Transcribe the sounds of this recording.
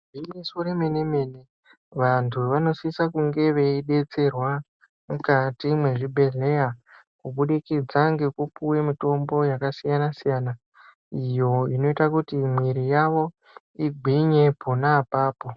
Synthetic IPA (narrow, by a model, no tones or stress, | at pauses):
binesoremeneme̞ne̞ | ʋantʰuʋano̞siisakuŋɡe̞ʋe̞iɗe̞t͡se̞rwa | mukatimwe̞ʐibʱe̞ɮe̞ja | kuɓuɗikid͡zaŋɡe̞kupuwe̞mito̞mbo̞jakasijanasijaːna | ijo̞ino̞itakutimwiɾijaʋo̞ | iɡʱwiɲe̞pʰonaːpaːpo̞